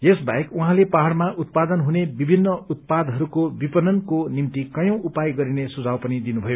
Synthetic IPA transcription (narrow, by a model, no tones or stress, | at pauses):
jesbaekuɦãlepaɦaɽmaʔut̪̚pad̪ʌnɦunebibʱinːʌut̪̚pad̪ɦʌɾukobipʌnʌnkonimt̪ikʌjʌ̃w̃upajɡʌɾinesud͡zawpʌnid̪inubʱʌjo